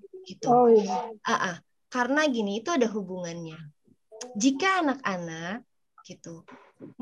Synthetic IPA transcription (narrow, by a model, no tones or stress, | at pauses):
ɡ̥it̪u | ʔaʔa | karənaɡiniːt̪uadaɦubuŋanɲa | d͡ʒikaːnakanak̚ | ɡ̥it̪u